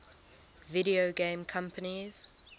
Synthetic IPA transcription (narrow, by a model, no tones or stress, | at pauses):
vɪɾioɡẽmkʰʌ̃mpəniz̥